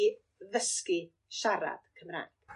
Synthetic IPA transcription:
ðəski | ʃaɾa̰d̥kʰəmra̰jd̥

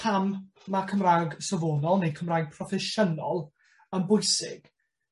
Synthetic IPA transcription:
pʰamː | akʰəmraːɡsəvoːnɔlˠnejkʰəmraːjɡ̚pʰrɔfɛʃənɔlˠ | əmbʊjsɪ̰ɡ̥

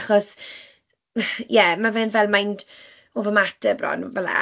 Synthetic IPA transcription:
χɔs | jɛmavɛnvɛlˠmajnd | oːvɔmatʰəbrɔ̰nvɛla̰

